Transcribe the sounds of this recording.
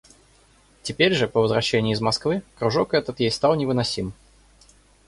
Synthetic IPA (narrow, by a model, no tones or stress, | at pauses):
tʲɪpʲeɾʲʐɨpəvəzvɾɐɕːenʲɪʊːzmɐskvɨkɾʊʐokɛt̪ət̪jejst̪ɑlˠnʲɪvɨnɐsʲim